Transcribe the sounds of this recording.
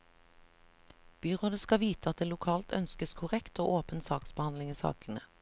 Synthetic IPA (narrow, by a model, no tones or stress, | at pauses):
b̥yːʁoːd̪əskɑʋiːt̪əɑt̪̚d̪eːlʊkʰɑːlt̪ʰœ̰nskəskʰʊʁɛkt̪oːʔoːpənsɑːksbəhɑnlɪŋiːsɑ̰ːkənə